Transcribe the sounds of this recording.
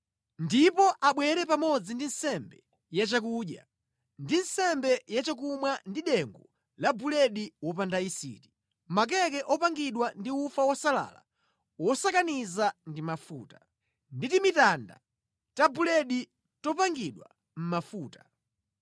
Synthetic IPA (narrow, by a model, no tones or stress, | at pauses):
ndipɔʔaɓwɛɾɛpamɔd͡zindin̩sɛmbɛ | jat͡ʃak̬uɗja̰ | ndin̩sɛmbɛjat͡ʃak̬umwandiɗɛŋɡɔ | labulɛɗiwɔp̬andaisḭti̥ | mak̬ɛk̬ɛʔɔpaŋɡiɗwandiufawɔsala̰la̰ | wɔsakanizandimafṵːtḁ | nditimitanda̰ | t͡ʃabulɛɗi | tɔpaŋɡiɗwa̰ | m̩mafuːtḁ